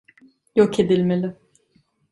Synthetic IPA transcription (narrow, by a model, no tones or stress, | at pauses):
jokʰed̪ilʲmelʲɪ